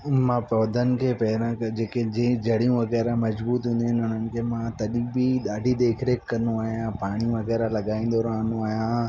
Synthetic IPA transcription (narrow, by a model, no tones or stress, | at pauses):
mãpɔːd̪ʱənɪ̆kʰeːpɐɪɾãkd͡ʑeːked͡ʑẽːd͡ʑɐɽ̤ijũʋɐɣɛːɾamɐzbuːt̪ɦũːnd̪iɦɪnʊnənɪ̆kʰeːmãt̪ɐɗibiɗaːɖʱid̪eːkʰɾeːkːɐnũaːɦijãpaːɽ̃ijũʋɐɣɛːɾalɐɠaːĩːn̆d̪oːɾaːnũaːɦijã